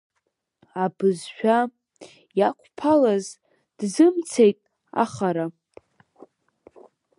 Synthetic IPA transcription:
abɨzʃᶣa | jakʷʼʰpʰalaz | d̥zɨmt͡sʰejtʼ | a̰χaɾa

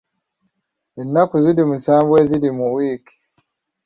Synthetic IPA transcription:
inːakuzidimusambwezidimuwiːki̥

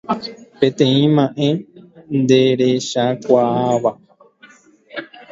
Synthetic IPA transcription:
pẽ̞t̪ẽ̞ĩmãʔẽ̞nd̪eɾeʃakʷaaʋa

